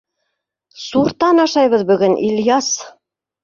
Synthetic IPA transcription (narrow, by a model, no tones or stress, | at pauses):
suɾt̪ɑnɑʃɑjβɤðbɵ̆ɡɵnʔilʲjɑs